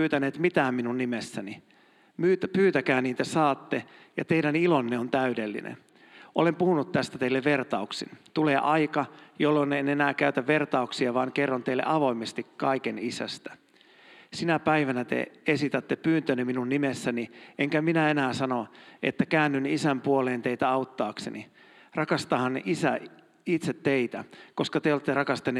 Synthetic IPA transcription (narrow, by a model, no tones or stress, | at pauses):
yːt̪æneːt̪mit̪æːmminunnimesːæni | myːt̪pyːt̪ækæːniːt̪æsɑːt̪ːejɑt̪eiɾænilonːeont̪æydelːḭnḛn | ʔolempuhunut̪t̪æst̪æt̪eilːeʋʋert̪ɑuksḭnt̪uleːʔɑikɑjolːonːenenæːkæyt̪æʋʋert̪ɑuksiɑʋɑːŋkerːont̪eilːḛʔɑʋo̞imest̪ikkɑikenisæ̰st̪æ̥ | sinæpæiʋænæt̪ḛesit̪æt̪ːepyːnt̪øniminunːimesːæniʔeŋkæminæenæːsɑnoʔḛt̪ːækæːnːynisæmpuoleːnt̪eit̪æɑut̪ːɑːksḛnḭ | rɑkɑst̪ɑːhɑnisæ | it̪set̪tːeit̪æko̞skɑt̪eolt̪ːerɑkɑst̪enːe